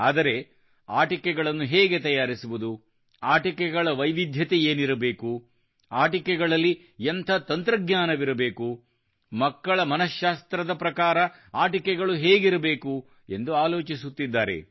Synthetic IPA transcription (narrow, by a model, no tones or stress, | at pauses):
aːd̪ɐɾe̞ | aːʈikɛɡɐɭɐnːuɦeːɡet̪ɐjaːɾisuʋud̪u | aːʈikɛɡɐɭɐʋɐjʋid̪ʱjɐt̪eeːniɾɐbe̞ːku | aːʈikɛɡɐɭɐlːi | ent̪ʰɐt̪ɐnt̪ɾɐɡɲaːnɐʋiɾɐbe̞ːku | mɐkːɐɭɐmɐnɐʃaːst̪ɾɐd̪ɐpɾɐkaːɾɐ | aːʈikɛɡɐɭuɦeːɡiɾɐbe̞ːku | e̞nd̪uaːlo̞ːt͡ʃisut̪ːid̪ːaːɾḛ